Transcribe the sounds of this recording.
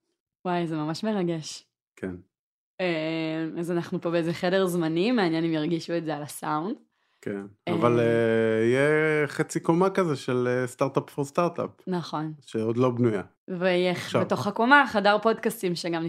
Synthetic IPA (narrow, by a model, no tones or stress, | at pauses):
wajzemamaʃme̞ʁaɡeʃ | kʰen | emazanaχnupo̞beezeχedeʁzmanimeaːnjenimjaʁɡiʃuetzealasaund | kʰenavaleijeχet͡sikomakazeʃelest̪aʁt̪apfost̪aʁt̪a̰pːɐχo̞nʃeod̪lo̞bnuja | vejeχbeto̞χako̞maχadaʁpo̞dkastimʃeɡamni